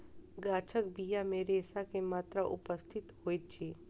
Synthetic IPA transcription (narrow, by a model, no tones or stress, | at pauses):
ɡaːt͡ʃʰəkbijamẽɾeːsakemaːt̪ɾaʔʊ̰pəst̪ʰɪt̪hoːit̪̚t͡ʃʰiː